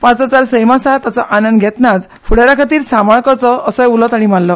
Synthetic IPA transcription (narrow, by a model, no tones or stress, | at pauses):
pãt͡sɔt͡saɾsəjmasat̪at͡sɔʔanənd̪ɡʱɛt̪nat͡s | fʰuɽaɾakʰat̪iːɾsamɔɭkɔt͡sɔəsɔjulɔt̪aɽ̃im̤allɔ